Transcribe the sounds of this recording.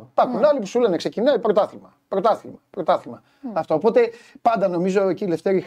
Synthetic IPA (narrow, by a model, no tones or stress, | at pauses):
pɐxunɐlipu̥sulenekse̞cinɐipɾo̞t̪ɐθimɐ | pɾo̞t̪ɐθimɐpɾo̞t̪ɐθimɐ | ɐft̪oːpo̞t̪e̞pɐnd̪ɐno̞mizo̞eciːleft̪eɾi